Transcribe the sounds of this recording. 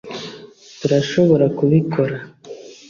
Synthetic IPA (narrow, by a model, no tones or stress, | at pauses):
tuɾaʃo̞βo̞ɾakuβikʰo̞ɾa